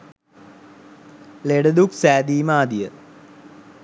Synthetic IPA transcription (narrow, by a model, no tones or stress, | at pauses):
leɖəd̪uksæːd̪iːmaːd̪ijə